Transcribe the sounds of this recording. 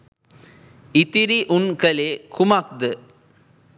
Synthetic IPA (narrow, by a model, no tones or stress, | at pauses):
ɪt̪ɪɾiʔʊnkɐleːkʰʊmaːk̚d̪ɯ